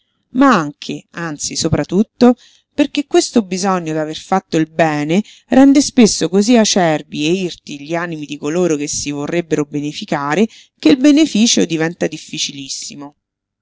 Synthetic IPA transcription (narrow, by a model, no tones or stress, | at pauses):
maaŋkʰeant̪sisopɾat̪ːut̪ːo | perkekːwest̪obizɔɲːod̪averfat̪ːoilbɛːne | rɛnd̪espesːokoziat͡ʃɛrbieirt̪iʎiaːnimid̪ikoloːɾok̟esːivorːebːeɾobenefikaːɾe | keilbenefiːt͡ʃod̪ivɛnt̪ad̪ifːit͡ʃilisːimo